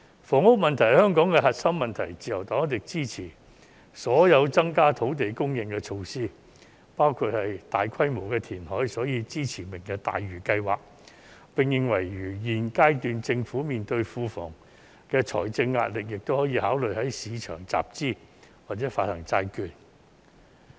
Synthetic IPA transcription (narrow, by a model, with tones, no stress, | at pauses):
fɔː˨˩ŋʊ˥k̚mɐ˨nt̪ʰɐ˨˩hœː˥ŋkɔː˨˥ŋkɛ˧hɐ˨t̚sɐ˥mmɐ˨nt̪ʰɐ˨˩jt͡siː˨˧jɐ˨˩wt̪ɔː˨˥ŋ˥t̪ɪ˨k̚t͡siː˥t͡sʰiː˨˩ | sɔː˨˥jɐ˨˧wt͡sɐ˥ŋkaː˥t̪ʰo˨˥wt̪e˨jkʊ˥ŋjɪ˨ŋkɛː˧t͡ʃʰo˧wsiː˥ | paː˥wkʰuː˧t̚hɐ˨jt̪aː˨jkʰɐ˥jmo˨˩wkɛː˧t̪ʰiː˨˩nɦɔː˨˥jsɔː˨˥jiː˧t͡siː˥t͡sʰiː˨˩mɪ˨˩ŋkɛ˧t̪a̰ː˨jɥyː˨˩kɐ˧jwa̰ː˨k̚ | pɪ˨ŋjɪ˨ŋwɐ˨˩jɥyː˨˩jiː˨˩nkaː˥jt̪yː˨˧nt͡sɪ˧ŋfuː˨˥miː˨nt̪ɵ˧ɥfuː˧fɔ̰ː˨˩ŋ | kɛː˧t͡ʃʰɔ̰ː˨˩jt͡sɪ˧ŋːa̰ː˧t̚lɪ˨k̚jɪ˨k̚t̪o˥whɔː˨˥jiː˧haː˨˥wlɵ˨jhɐ˨˥jsiː˨˧t͡ʃʰœ̰ː˨˩ŋt͡sa̰ː˨p̚t͡siː˥ | waː˨t̚t͡sɛː˨˥faː˧t̚hɐ˨˩ŋt͡saː˧jkyː˧n̚